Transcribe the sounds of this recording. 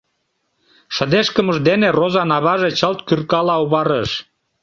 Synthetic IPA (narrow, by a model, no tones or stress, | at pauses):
ʃə̆d̪eʃkəməʒd̪enerozɑnɑβɑʒet͡ɕəlt̪kyrkɑlɑuβɑɾəʃ